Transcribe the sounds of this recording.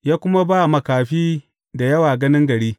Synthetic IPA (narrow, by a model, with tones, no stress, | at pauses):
jaː˦kʷʊ˦ma˦baː˦˨mɐ˨kaː˨ɸiː˦ | da˨jɐ˦waː˨ɡɐ˦nɪ˦ŋɡɐ˨ɽiː˦